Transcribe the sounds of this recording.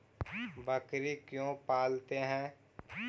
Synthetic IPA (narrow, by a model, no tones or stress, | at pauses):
bəkɾikjõːpaːlt̪eɦɛ̃ː